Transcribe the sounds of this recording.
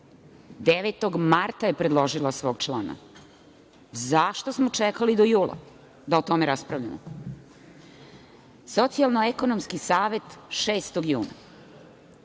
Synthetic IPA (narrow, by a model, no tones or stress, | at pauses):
d̪eʋet̪o̞ɡmaɾt̪aje̞pɾe̞d̪lˠo̞ʒilasʋo̞ːɡ̚t͡ʃlˠaːna̰ | zaʃt̪o̞smot͡ʃekalid̪ojuːlˠa̰ | d̪aot̪o̞meɾaspɾaʋʎa̰mo | so̞t̪sialˠnoeko̞no̞mskisaːʋe̞t̪ʃeːst̪oɡjuːna̰